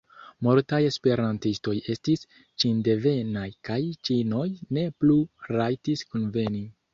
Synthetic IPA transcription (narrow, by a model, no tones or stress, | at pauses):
moɾtaje̞spe̞ɾantisto̞je̞stis | t͡ʃinde̞ve̞najkajt͡ʃino̞jne̞pluɾajtiskunve̞ni